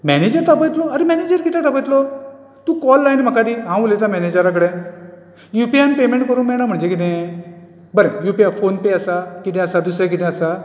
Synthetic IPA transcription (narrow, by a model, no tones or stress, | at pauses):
mɛned͡ʑəɾt̪abət̪lɔaɾemɛned͡ʑəɾkit̪ɛ̃t̪abət̪lɔ | t̪ũːkɔlːajnm̤əkad̪iɦãʋulet̪amɛned͡ʑəɾakəɽɛ̃ | jupianpemẽɳʈkəɾuːnmɛɽ̃ãm̤əɽɳd͡ʑekit̪̬ɛ̃ | bəɾẽjupiafonpeəsakit̪ɛ̃əsad̪usɾek̬it̪ɛ̃əsa